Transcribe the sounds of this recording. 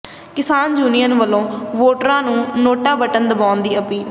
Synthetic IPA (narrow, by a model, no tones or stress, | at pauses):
kɪsaːnd͡ʒuːnijənʋəlõːʋoːʈɾãːnũːnoːʈaːbəʈənd̪əbaːʊnd̪iːəpiː